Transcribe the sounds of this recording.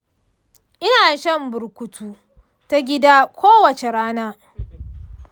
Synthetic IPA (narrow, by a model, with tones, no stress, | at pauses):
ʔɪ˦naː˨jʃɐ˦mbʊ˨ɾkʷʊ˦tʰuː˦ | ta˦ɡʲɪ˦daː˦kʷʰoː˦wɐ˨t͡ʃe˨ɽaː˦naː˦